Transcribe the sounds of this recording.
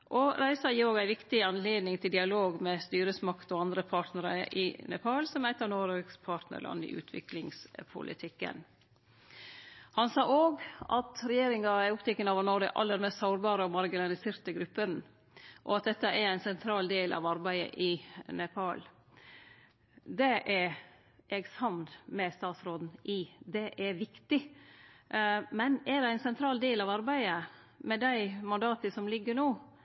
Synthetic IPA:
ʔɔɾæɪsɑjɪoːɡæɪʋɪkt̪ɪɑnleːd̪nɪŋt̪ʰɪld̪ɪɑloːɡmɛst̪yːɾəsmɑkt̪ɔɑnd̪ɾəpʰɑːʈnəɾəʔɪ̰nɛ̰pʰɑːlsɔmæɪt̪ɑnoːɾekspʰɑːʈnə̰lʔɑ̰nːɪ̰ʔʉ̰ːt̪ʰʋɪ̰klɪŋspʰʊ̰lʔɪ̰t̪ʰɪkːə̰n | hɑnsɑːʔoːɡɑt̪ɾɛjeːɾɪŋɑæʊpt̪ʰɪkːənɑːʋənɔɖə̰ʔɑ̰lːəɾmɛst̪sɑʊɾbɑːɾəɔmɑɾɡɪnɑlɪseːɾt̪əɡɾʉpːən | ʔɔ̰ɑt̪̚d̪ɛt̪ːəʔɛɾæɪnsɛnt̪ʰɾɑːld̪eːlʔɑ̰ʋɑɾbæɪə̰ʔɪnɛpʰɑːl | d̪ɛʔɛɾ | ʔɛɡshɑnd̪mɛst̪ɑːt̪sɾoːd̪n̩ʔɪd̪ɛʔɛɾʋɪkt̪ɪ | mɛnɛd̪ɛæɪnsɛnt̪ʰɾɑːld̪eːlɑʋɑɾbæɪə | mɛd̪æɪmɑnd̪ɑːt̪əsɔmlɪɡːəɾɳoː

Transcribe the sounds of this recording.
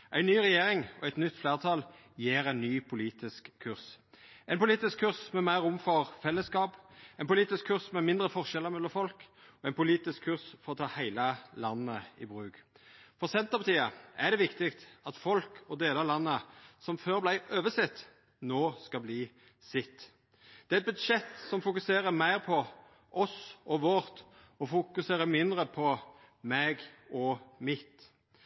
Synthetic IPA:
ʔæɪnyːʁɛjeːɾɪŋɔæɪt̪nʏt̪ːfleːʁt̪ʰɑl | jeːɾɛɪnnyːpʰʊliːt̪ɪskʰːʉʁs | ɛɪnpʊliːt̪ɪskʰːʉʁsmɛmæɪʁʊmfɔʁfɛlːəskɑːpæɛɪnpʊliːt̪ɪskʰːʉʁsmɛmɪnd̪ʁəfɔʁʃɛlːəʁmɛd̪ɔfɔlk | ɔɛɪnpʊliːt̪ɪskʰːʉʁsfɔʁɔt̪ʰɑːhæɪləlɑnːəɪ̰bʁʉːɡ̥ | fɔʁsɛnt̪əʁpɑt̪ʰiːəæd̪ɛʋɪkt̪ɪkt̪ɑt̪fɔlkʰɔd̪eːləlɑnːəsɔmføːʁblæɪʔøːʋəsɪt̪ː | noːskɑbliː | sɪt̪ː | d̪̥ɛt̪̚bʉd̪ʂɛt̪ːsɔmfʊkʉseːʁəmæɪʁpʰɔ | ʔɔsɔʋɔʁt̪ | ɔfʊkʉseːʁəmɪnd̪ʁəpʰɔ | mɛːɡɔmɪt̪

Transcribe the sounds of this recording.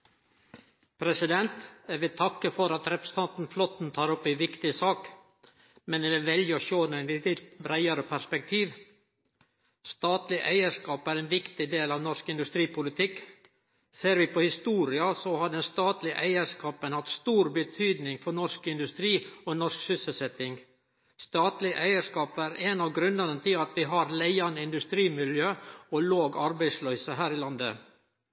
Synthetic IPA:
pʰɾɛsɪd̪ɛnt̪æʋɪt̪ʰɑkːəfɔɾɑt̪ɾɛpɾəsn̩t̪ʰɑnt̪n̩flɔt̪n̩t̪ʰɑːɾɔpːɪʋɪkt̪ɪsɑːk | mɛnd̪ɛɛʋɛljəɔʃoːnɛnlɪt̪ɪbɾæɪɑɾəpʰæʂpɛk̚t̪ʰiːʋ | st̪ɑːt̪lɪʔæ̰ɪəʂkɑːpæɾɛnʋɪkt̪ɪd̪eːlɑʋnɔʂkɪnd̪ʉst̪ɾiːpʰʊlɪt̪ʰɪkː | seːɾʋɪpʰɔhɪst̪uːɾɪɑsɔhɑɖɛnst̪ɑːt̪lɪʔæɪəʂkɑːpənhɑt̪st̪uːɾbət̪ʰyːd̪nɪŋfɔɳɔʂkɪnd̪ʉst̪ɾiːɔnɔʂksʏsəlsɛt̪ɪŋ | st̪ɑːt̪lɪʔæɪəʂkɑːpæɾɛnɑʋɡɾʉnːənənt̪ʰɪlɑt̪ʋɪɦɑɾlæɪɑnəɪnd̪ʉst̪ɾiːmɪljøːɔloːɡɑɾbæɪslœʏsəɦæːɾɪlɑnd̪ə̰

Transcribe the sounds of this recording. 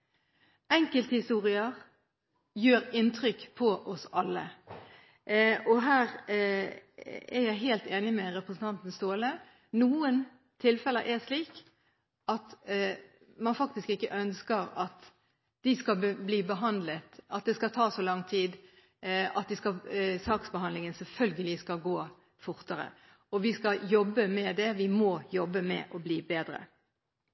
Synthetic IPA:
ɛŋkəlt̪əhɪst̪uːɾɪəʁ | jøːɾɪnt̪ʰɾʏkpʰɔʔɔsɑlːə̰ | ʔɔɦæːʁ | ɛɾjæɪɦeːlt̪eːnɪmɛɾɛpɾəsən̩t̪ʰɑnt̪n̩st̪oːlə | nuːən | t̪ʰɪlfɛlə̰ʔɛʂliːk | ɑt̪ | mɑnfɑk̚t̪ɪskɪkːəʔœnskəɾɑt̪ | d̪̥ɪskɑbliːbəɦɑnd̪lət̪ɑt̪̚d̪ɛskɑt̪ʰɑːsɔlɑŋt̪ʰiːd̪ | ɑt̪̚d̪ɪskɑsɑːksbəɦɑnd̪lɪŋənsɛlfœlɡəlɪskɑɡoː | fʊɾt̪əɾə̰ | ɔʋɪskɑjɔbːəmɛd̪ɛʋɪmɔjɔbːəmɛ̰ʔɔbliːbeːd̪ɾə̰

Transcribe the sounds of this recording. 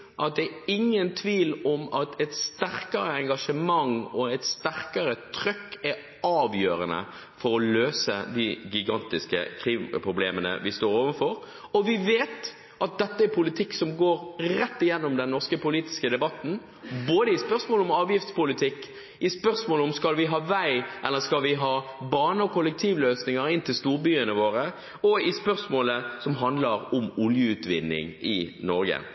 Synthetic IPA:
ʔɑt̪̚d̪ɛːɪŋːənt̪ʰʋiːlɔmɑt̪ʰɛt̪st̪æʁkɑɾəɛŋɡɑʂəmɑŋɔɛt̪st̪æʁkəɾət̪ʰɾœkːɛ | ɑːʋjøːɾənə̰ | fɔɾɔløːsə̰d̪ɪɡɪɡɑnt̪ɪskə̰kʰɾiːmpɾʊbleːmənə̰ʋɪst̪oːɾoːʋənfɔɾ | ɔʋɪʋeːt̪ | ʔɑt̪̚d̪ɛt̪ːəæɾpʰʊlɪt̪ʰɪkːsɔmɡoːɾɾɛt̪ːɪjɛnːɔmd̪ɛnnɔʁskəpʊliːt̪ɪ̥skəd̪ɛbɑt̪ːn̩ | boːd̪əɪspœʁsmoːlɔmɑːʋjɪft̪spʊlɪt̪ʰɪkː | ʔɪspœɾsmoːlɔmskɑlʋɪɦɑːʋæɪʔɛlːəskɑlʋɪɦɑːbɑːnəɔkʰʊlək̚t̪ʰiːʋløːsnɪŋəɾɪnt̪ɪlst̪uːɾbyːənəʋoːɾə | ɔɪspœɾsmoːləsɔmɦɑnd̪ləɾʊmʊljəʉːt̪ʋɪnːɪ̰ŋɪ̰nɔɾɡə̰

